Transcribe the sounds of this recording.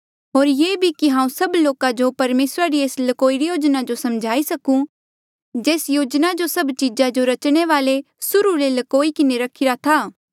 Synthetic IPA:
ɦoːɾjeːbʱikiɦãːũsɐbloːkad͡ʒopɐɾmeːsɾaɾieːslɐkoːiɾijoːd͡ʒnad͡ʒosɐmd͡ʒʱaːisɐkũ | d͡ʒeːsjoːd͡ʒnad͡ʒosɐbt͡ʃɪd͡ʒad͡ʒoɾɐt͡ʃɽ̃eʋaːle | sʊɾuɾelɐkoːikɪneɾɐkʰːiɾat̪ʰaː

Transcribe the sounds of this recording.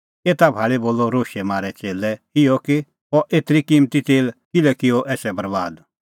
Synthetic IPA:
eːt̪abʱaːɭeboːlːɔɾoːʃɛmaːɾɛt͡seːlɛɪjɔkɪ | ɔʔeːt̪ɾikimt̪it̪eːlkɪlɛkɪɔʔɛːsɛbɐɾbaːd̪

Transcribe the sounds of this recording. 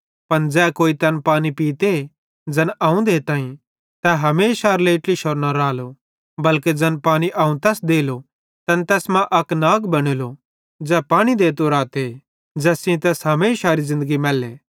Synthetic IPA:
pɐnd͡ʒɛːkoːit̪ɐnpaːñipiːt̪e | d͡ʒɐnʔaːũd̪eːt̪ãːĩ | t̪ɛɦɐmeːʃaːɾleːʈliʃoɾnɐɾaːlo | bɐlked͡ʒɐnpaːɽ̃iʔaːũt̪ɛːsd̪eːlo | t̪ɐnt̪ɛːsmãʔɐknaːɡbɐɽ̃eːlo | d͡ʒɛːpaːɽ̃id̪eːt̪̬oɾaːt̪e | d͡ʒɛːsĩt̪ɛːsɦɐmeːʃaːɾizɪ̃nd̪əɡimɛːlːeː

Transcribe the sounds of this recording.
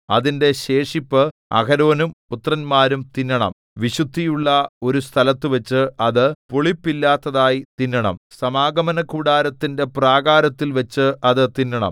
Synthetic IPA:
ɐ̰ðinde̞ɕe̞ːʂipːɨɐ̰kɐɾo̞ːnumput̪rɐnmaːɾumt̪inːɐɳɐ̰m | ʋiɕud̪ʱːijuɭːɐo̞ɾust̪ʰɐlɐt̪ːɨʋɐt͡ɕːɨʔɐðɨpoɭipːilːaːt̪ːɐðaːjit̪inːɐɳɐ̰msɐmaːɡɐmɐnɐkuːɽaːɾɐt̪ːinde̞praːɡaːɾɐt̪ːilʋɐt͡ɕːɨʔɐðɨt̪inːɐɳɐ̰m

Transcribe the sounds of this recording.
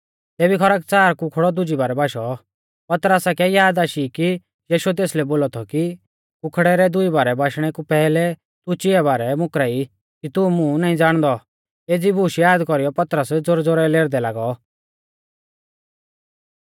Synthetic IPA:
t̪eːbikʰɔɾak̚t͡saːɾkʊkʰɽɔd̪ʊd͡ʒibaːɾɛbaːʃɔ | pɐt̪ɾəsakɛjaːd̪aːʃiki | jiːʃuɛt̪̬eːslɛboːlɔt̪ʰɔki | kʊkʰɽɛɾɛd̪ʊibaːɾɛbaːʃɽ̃ɛkupɛːlɛ | t̪ʊt͡ʃɪɛbaːɾɛmʊkɾai | kit̪umũnaːĩd͡zaːɽ̃d̪ɔ | eːd͡zibʱuːʃjaːd̪kɔɾijɔpɐt̪ɾəsd͡zʊɾd͡zoɾɛleːɾd̪ɛlaːɡɔ

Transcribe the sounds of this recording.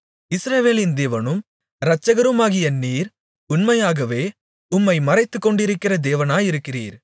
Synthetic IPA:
ɪsɾɐʋeːlɪnd̪eːʋɐnɯm | ɾɐt͡ʃːɐɣɐɾɯmaːɣɪjɐniːɾ | ʊnmɐjaːɣɐʋeː | ʊmːɐɪmɐrɐɪt̪ːɯkːɔɳɖɪɾɯkːɪrɐd̪eːʋɐnaːjɪɾɯkːɪrḭːɾ

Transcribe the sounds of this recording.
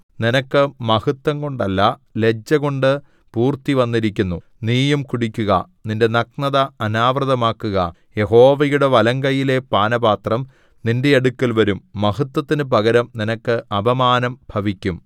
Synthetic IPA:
ninɐkːɨmɐhut̪ːɐŋko̞ɳɖɐlːɐle̞d͡ʑːɐɣo̞ɳɖɨ | puːrt̪iʋɐnːiɾikʲːunːu | niːjɐmkuɽikʲːuɣɐ̰ | ninde̞nɐk̚nɐðɐːnaːʋrɐðɐmaːkːuɣɐ̰ | je̞ɦo̞ːʋɐjuɽeʋɐlɐŋɡɐjile̞paːnɐbaːt̪rɐm | ninde̞ɐɽukːɐlʋɐɾumːɐhɐt̪ːwɐt̪ːinɨbɐɣɐɾɐmninɐkːɨʔɐbʱɐmaːnɐmbʱɐʋikʲːum

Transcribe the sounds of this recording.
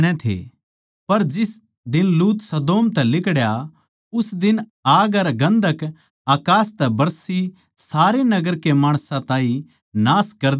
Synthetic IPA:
ɽ̃ɛ̃t̪ʰḛ | pɐɾd͡ʒɪs | d̪ɪnluːt̪sɐd̪oːmt̪ɛlɪkɽja | ʊsd̪ɪnaːɡɐɾɡɐ̃nd̪ʱək | aːkaːst̪ɛbɐɾsi | saːɾenɐɡəɾkemaːɽ̃sãt̪ãːĩ | naːskɐɾd̪

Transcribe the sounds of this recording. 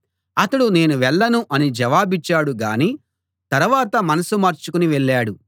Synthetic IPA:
ɐt̪ɐɽune̞ːnuʋɛɭːɐnuʔɐnid͡ʒɐʋaːbit͡ʃːaːɽuɡaːniː | t̪ɐɾuʋaːt̪ɐmɐnɐsumɐɾt͡ʃukuniʋɛɭːaːɽu

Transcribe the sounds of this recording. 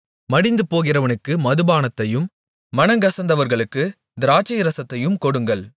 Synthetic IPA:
mɐɽɪnd̪ɯpoːɣɪrɐʋɐnɯkːɯmɐðɯbaːnɐt̪ːɐjɯm | mɐnɐŋɡɐsɐnd̪ɐʋɐɾɣɐɭɯkːɯ | d̪ɪɾaːt͡ʃːɐjɪɾɐsɐt̪ːɐjɯmkɔɽɯŋɡɐɭ

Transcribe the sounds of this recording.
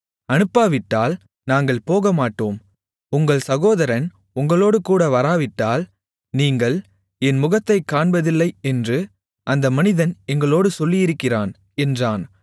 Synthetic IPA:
ɐnɯpːaːʋɪʈːaːl | naːŋɡɐɭpoːɣɐmaːʈːoːm | ʊŋɡɐɭsɐɣoːðɐɾɐn | ʊŋɡɐɭoːɽɯkuːɽɐʋɐɾaːʋɪʈːaːl | niːŋɡɐɭ | ɛnmʊɣɐt̪ːɐɪkːaːɳbɐðɪlːɐɪɛndrɯ | ʔɐnd̪ɐmɐnɪðɐnɛŋɡɐɭoːɽɯsɔlːɪjɪɾɯkːɪraːn | ɛndraːn

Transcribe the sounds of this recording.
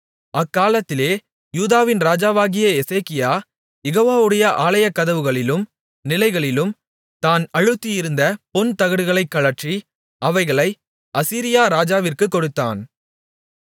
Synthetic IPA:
ʔɐkːaːlɐt̪ːɪleː | juːðaːʋɪnɾaːd͡ʒaːʋaːɣɪjɐɛseːkɪjaː | jɛɣoːʋaːʋɯɽɐjɐʔaːlɐjɐkːɐðɐʋɯɣɐɭɪlɯm | nɪlɐɪɣɐɭɪlɯm | t̪aːnɐɻɯt̪ːijɪɾɯnd̪ɐpɔnt̪ɐɣɐɽɯɣɐɭɐɪkːɐɭɐʈri | ʔɐʋɐɪɣɐɭɐɪ | ʔɐsiːɾɪjaːɾaːd͡ʒaːʋɪrkɯkːɔɽɯt̪ːa̰ːn

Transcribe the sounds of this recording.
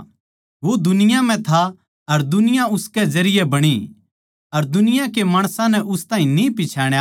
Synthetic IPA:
ʋod̪ʊnɪjãm̤ɛ̃t̪ʰa | ɐɾd̪ʊnɪjãʊskɛzɐɾɪjɛbɐɽ̃i | ɐɾd̪ʊnɪjãkemaːɽ̃sãnɛʔʊst̪ãːĩnipɪt͡ʃʰaːɽ̃ja

